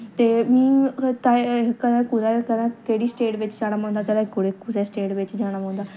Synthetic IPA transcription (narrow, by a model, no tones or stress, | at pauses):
t̪eːmĩːt̪aːɦkɐd̪ãkːzakɐd̪ãkɐɦɪɽisʈeːɖʋɪt͡ʃd͡ʒaːɽ̃amãũnd̪aːkɐd̪ãkʊɽekuzasʈeːʈʋɪt͡ʃd͡ʒaːɽ̃amɦːnd̪aː